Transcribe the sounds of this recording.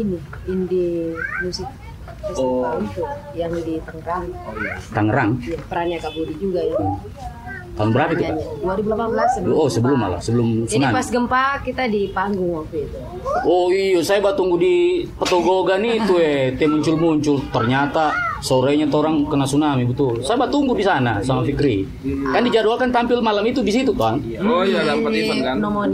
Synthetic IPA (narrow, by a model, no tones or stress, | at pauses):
iniindimusɪk̚ | pasɡəait̪ujaŋdit̪aŋəɾaŋat̪aŋəɾaŋjapəɾaniakabuɾid͡ʒuɡajaŋ | t̪aŋbəɾapit̪uakaɲaduaɾibulapanbəlasosəbəlʊma̰la̰səbəlʊmsaunapasɡəmpakit̪adipaŋɡʊŋwapuit̪u | ɔijasajabat̪uŋɡudipət̪oɡoɡanit̪uɛt̪muɲt͡ʃʊlmuɲt͡ʃʊlt̪ərɲat̪asoɾɛɲat̪oɾaŋkənasunamibət̪ulsajabat̪uŋɡudisana̰samafikɾi | kandid͡ʒadualkant̪ampɪlmalamit̪udisit̪ut̪oan | ojalapəisankannɔmɔ